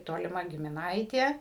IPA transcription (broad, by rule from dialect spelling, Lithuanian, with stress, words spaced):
toːlʲɪˈmɐ ɡʲɪmʲɪˈnɐɪtʲeː